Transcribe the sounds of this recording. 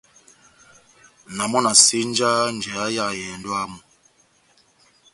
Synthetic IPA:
na˨mɔ˦na˨si˦n˦d͡ʒa˦n˨d͡ʒɛ˨a˦ja˦˨jɛ˨ndɔ˦a˦mɔ˨

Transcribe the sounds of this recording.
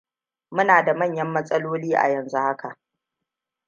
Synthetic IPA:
mʊ˦naː˨da˨mɐ˦˨ɲjɐ˦mːɐ˦sʼɐ˦loː˦liː˦ʔa̰˨jɐ˨nzu˦ha˦kʰa˨ʔ

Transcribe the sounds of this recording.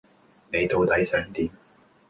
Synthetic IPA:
ne˨˧jt̪o˨˧wt̪ɐ˨˥jsœː˨˥ŋt̪iː˨˧m

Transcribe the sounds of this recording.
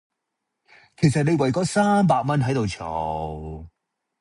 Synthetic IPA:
kʰe˨˩js̬ɐ˨t̚ne˨˧jwɐ˨˩jkɔː˨˧˥saː˥mp̬aː˧k̚mɐ˥nɦɐ˨˥jt̪o˨wt͡ʃʰɔw

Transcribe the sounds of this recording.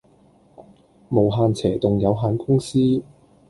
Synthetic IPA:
mo˨˩wɦaː˨˧nt͡sʰɛː˨˩t̪ʊ˨ŋjɐ˨˧wɦaː˨˧nkʊ˥ŋsiː˥

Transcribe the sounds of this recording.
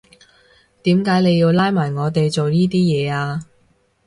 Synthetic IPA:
t̪iː˨˥mkaː˨˥jne˨˧ji˧wlaː˥jmaː˨˩jŋɔː˨˧t̪e˨jt͡so˨wniː˥t̪iː˥jɛː˨˧aː˧

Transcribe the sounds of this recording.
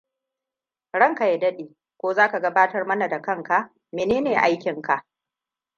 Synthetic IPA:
ɽɐ˦˨ŋka˨ja˨dɐ˦ɗeː˨ | kʷoː˦zaː˦ka˨ɡɐ˦baː˦tɐ˦rmɐ˦na˨da˨kɐ˦˨ŋka˦ʔ | meː˨neː˦neː˨ʔa˦jkʲɪ˨ŋka˨ʔ

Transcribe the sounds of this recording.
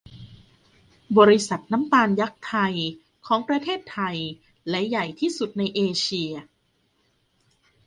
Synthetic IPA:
bɔː˧ɾi˦˥sa˨˩t̪̚na˦˥mpaː˧nja˦˥k̚t̪ʰa˧j | kʰɔː˩˦ŋpɾa˧t̪ʰeː˥˩t̪ʰːa˧j | lɛ˦˥ja˨˩jt̪ʰiː˥˩su˨˩t̪̚na˧jʔeː˧t͡ɕʰi˧ɐ

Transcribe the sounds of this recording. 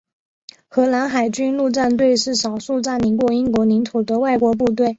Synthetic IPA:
xɤ˧˥la˧˥nxa˨˩ɪt͡ɕy˥nlu˥˧ʈ͡ʂa˥˧nt̪̬we˥˧ɪʂɻ̩˥˩ʂɑ˨˩ʊʂu˥˧ʈ͡ʂa˥˩nli˧˥kwɔ˥˩i˥nkwɔ˧˥ni˧˥nt̪ʰu˨˩d̪ə˦wa˥˩ɪkwɔ˧˥p̬u˥˧t̪we˥˩ɪ

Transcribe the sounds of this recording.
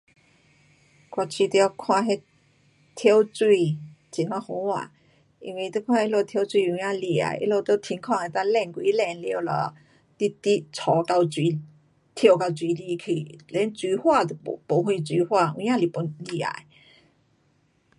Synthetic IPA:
kwa˧˩t͡ɕʰi˧t̪i˧a˧kʰw̃ã˥˧˨ɦe˧ | t̪ʰjo˧wt͡swi˥˧t͡ɕi˨nwã˧hu˧˦wa̰˨ | i˧nwi˧˨˧t̪e˦˧kʰwã˥˧e˦˧˦lo˧t̪ʰjo˧ʊt͡swi˥˧˨ũ˧˦jã˥˧li˧˩a̰˨jʔḛ˦lo˧˨t̪o˧˦t̪ʰi˧˦ŋkʰwã˥˧˨ŋe˨˧t̪ã˥˧lɛ˧˨nkwi˧˦lɛ˧˦nlje˧wlɔ̰˧˩ | t̪i˦t̪i˦t͡sʰɔ˨˦ka˧wt͡swi˨˧ | t̪ʰjo˧wka˧wt͡swi˨˦li˧kʰi˨˩lɛ˨˧˦nt͡swi˧˦hwa˥˧t̪po˨˦hwi˧t͡swi˧˦hwa˥˧˨ṵ̃˧˦jã˥˧li˨pu˧˦nli˧a̰˨j

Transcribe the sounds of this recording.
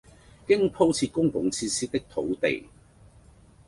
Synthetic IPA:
kɪ˥ŋpʰo˥wt͡sʰiː˧t̚kʊ˥ŋpʊ˨˧˥ŋt͡sʰiː˧siː˥t̪ɪ˥k̚t̪ʰo̰˨˥wt̪ḛ˨j

